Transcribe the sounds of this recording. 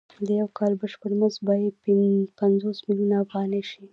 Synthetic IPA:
d̪əjawkɑlbəʃpəɽməzbɑjad̪̚ppanzosmiljunaːfɣɑneʃi

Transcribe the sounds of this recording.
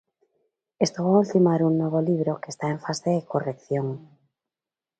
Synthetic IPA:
est̪oβault̪imaɾuŋnoβ̞oliβ̞ɾokest̪aeɱfaseekorekθjoŋ

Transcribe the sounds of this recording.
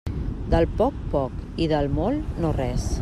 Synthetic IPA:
d̪əlˠpɔk̚pɔkiðəlˠmɔlˠnorɛs

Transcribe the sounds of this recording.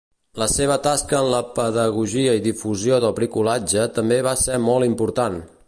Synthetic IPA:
ləseβ̞ət̪askəːnləpəðəɣ̞uʒiəiðifuzijoðəlˠpɾikulad͡ʒət̪əmbeβ̞asɛmɔlˠimpuɾt̪an

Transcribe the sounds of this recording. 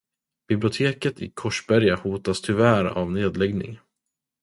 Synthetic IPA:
b̥ɪblɪʊt̪ʰeːkət̪ɪ̰kʰɔʂbæɾjahuːt̪ast̪ʰɵvæːɾa̰vneːd̪lɛɡnɪ̰ŋ

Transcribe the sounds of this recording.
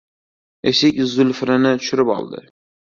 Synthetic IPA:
esɪkʲzʊlfɾɪnɪt̪ʰʊʃʊɾɪpɒ̰lˠd̪ɪ̰

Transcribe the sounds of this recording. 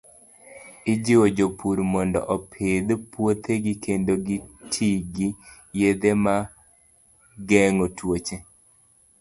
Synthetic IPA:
ɪd͡ʒɪwod͡ʒopʰuɾmɔndɔ̰ʔɔpʰed̪pwot̪ʰeɡɪkʰendoɡitʰiɡi | jed̪ema | ɡɛŋotwot͡ʃe

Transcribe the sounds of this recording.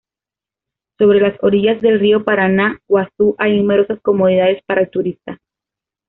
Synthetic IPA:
so̞βɾe̞laso̞ɾiʝazðe̞lrio̞paɾanawaθuʔajnume̞ɾo̞sasko̞mo̞ð̞iðað̞e̞spaɾaelt̪uɾist̪a

